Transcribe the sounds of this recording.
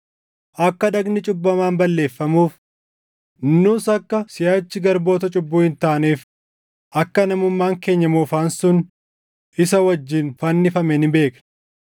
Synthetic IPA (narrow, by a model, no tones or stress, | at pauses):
ʔɐkːɐᶑɐɡnɪt͡ʃʼʊbːɐmaːnbɐlːe̞ːfːɐmuːf | nːuːsɐkːɐsɪjaːt͡ʃːɪɡɐɾbo̞ːt̪ɐt͡ʃʼʊbːuːhɪnt̪aːneːf | ʔɐkːɐnɐmʊmːaːŋke̞ːɲːɐmuːfaːnsʊn | ʔɪsɐwɐd͡ʒːɪnfɐnːɪfɐmɛnɪbe̞ːkn